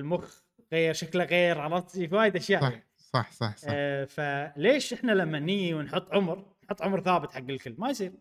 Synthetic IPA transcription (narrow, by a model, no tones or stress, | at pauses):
lmʊx | ɣeːɾʃaklaɣeːɾɣɑlˤɑt̪ˤːifwaːjɪd̪ʔaʃjaːʔ | sˤɑħsˤɑħsfaleːʃʔɪħnalamːanːiːjːiwɪnħʊt̪ˤːʕʊmɾnħʊt̪ˤːʕʊmɾθaːbɪt̪ħaɡːɪlkɪlːmːajs̬ˤiːɾ